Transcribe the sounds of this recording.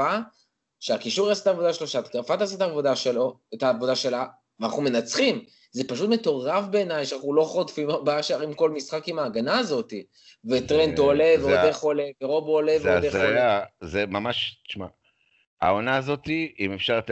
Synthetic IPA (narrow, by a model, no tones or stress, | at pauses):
a | ʃeakiʃuʁaset̪aːvod̪aʃeloʃeat̪keʁfat̪aset̪aːvo̞d̪aʃelo̞et̪aːvo̞d̪aʃe̞la | veana̰χnume̞nat͡sχim | ze̞paʃ̬utme̞t̪o̞ʁafbe̞ːnajʃeanaχulo̞χotfimabaaʃaʁimko̞lmisχakimaːɡanaːzo̞t̪i | vet̪ʁent̪ole̞veodeχole̞veʁo̞boːleveeajazemamaʃi̥ʃma | a̰onaːzo̞t̪iimefʃaʁt̪